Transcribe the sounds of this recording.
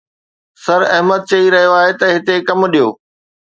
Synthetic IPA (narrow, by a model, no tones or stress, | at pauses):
sɐɾɐɦməd̪̚t͡ɕɐiɾɐɦijoaːɦet̪ɐɦɪt̪ekɐmɗijoː